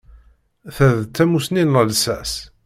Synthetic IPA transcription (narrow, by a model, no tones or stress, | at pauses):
θæðt̪ːæmusninəlsæs